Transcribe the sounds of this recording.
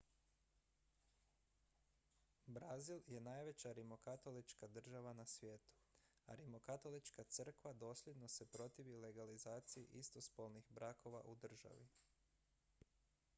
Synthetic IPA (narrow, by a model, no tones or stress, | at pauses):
bɾazilje̞naːjʋe̞t͡ɕaɾimo̞kat̪o̞lit͡ʃkad̪r̩ʒaʋanasʋjeːt̪u̥ | a̰ɾimo̞kat̪o̞lit͡ʃkat̪sr̩kʋad̪o̞ːslje̞d̪no̞se̞pɾo̞t̪iʋile̞ɡalizaːt̪sijḭʔist̪o̞spolnixbɾʔako̞ʋa̰ʔud̪r̩ʒa̰ʋḭ